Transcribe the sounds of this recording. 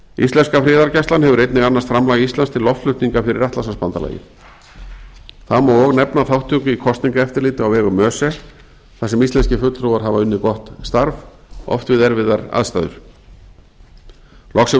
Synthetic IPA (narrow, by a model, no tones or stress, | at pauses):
ist̪lɛnskafɾɪːðaɾcajst̪anhɛvʏɾejt̪nɪɣanːast̪fɾamlaːɣist̪anst̪ʰɪlɔft̪lʏht̪niŋkafɪɾɪ̰ɾaht̪lasaspant̪ala̰jɪ̰ | θaðmɔwɔɣnɛpnaθawht̪ʰːʏːkʏikʰɔst̪niŋkaɛft̪ɪɾlɪːt̪ɪawɛːɣʏmœːsɛ | θasɛmist̪ɛnscɪfʏt̪ɾowvaɾɦavaʏnːɪkɔht̪st̪aɾvɔ̰ft̪vɪðɛɾvɪðaɾa̰ðst̪a̰ːðʏ̰ɾ̥ | lɔxsɛ